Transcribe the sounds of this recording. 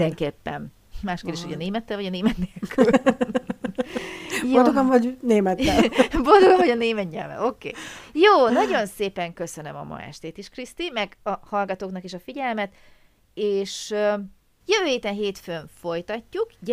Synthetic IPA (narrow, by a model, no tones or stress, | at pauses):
ɛŋkeːpːɛ̰n | maːʃkeld̪eːʃhoɟɒneːmɛt̪ːɛlvɒɟɒneːmɛt̪neːlkyl | bjod̪oɡomvɒɟneːmɛt̪ːɛlbod̪oɡomɦɒɟɒneːmɛt̪ɲɛ̰lvɛ̰o̞kḛːjoːnɒɟo̞nseːpɛŋkø̞sønømɒ̰mɒ̰ɛ̰ʃt̪eːt̪iʃkrist̪imɛɡɒhɒlɡɒt̪oːknɒkeːʃɒfiɟɛlmɛt̪ | eːʃø | jøvøːheːt̪ɛnɦeːt̪føɱfo̞jt̪ɒcːukɟ